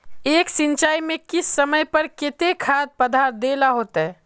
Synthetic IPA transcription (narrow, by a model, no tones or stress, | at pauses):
eːksɪ̃nt͡ʃaːimẽkɪsːəməjpəɾkɪt̪ekʰaːd̪̚pəd̪ʱaːɾd̪eːlaɦoːt̪ɦɛ